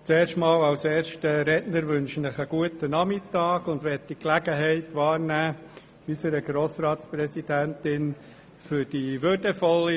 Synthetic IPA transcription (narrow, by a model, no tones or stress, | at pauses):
t͡seːɾʃtmɑːlɑwseːɾʃtəɾɛtnəɾʋʏnʃnəχəɡ̥uətənɑmɪtɑːɡʊndʋɛt̚d̥iklæɡ̥əɦɛɪtʋɑːɾnæː | ysəɾəɡ̥ɾoːsrɑːtsprɛsidæntɪn | fʏɾd̥iʋʏd̥əfɔlːi